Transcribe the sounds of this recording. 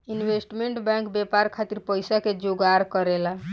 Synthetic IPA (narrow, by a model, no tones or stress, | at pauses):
inwesʈmeɳʈbɛ̃ŋkbjɛpaɾkʰat̪iɾpəjsaked͡ʒoɡaɾkəɾela